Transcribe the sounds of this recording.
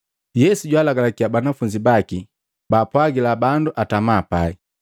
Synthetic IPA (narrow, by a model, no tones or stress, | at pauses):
jɛsuɟwaːlaɡalakiabanafuɲd͡ʒibaki | baːpwaɡilabanduʔatamaːpai